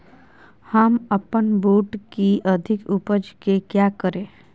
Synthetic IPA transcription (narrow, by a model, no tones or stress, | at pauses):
həməpənboːʈkiʔəd̪ʱɪkupəd͡ʒkekjaːkəɾẽː